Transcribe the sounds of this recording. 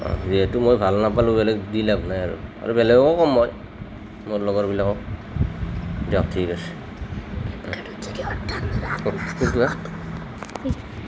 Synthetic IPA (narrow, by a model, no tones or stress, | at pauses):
ɔ̰ziɛtumojbʱalnapalubɛlɛɡdilaknajaɹṵa̰ɹubɛlɛɡɔkɔkɔmːoj | moɹlɔɡɔɹbilakɔ | dak̚tʰikasɛ̥ | iɔta | kitua | i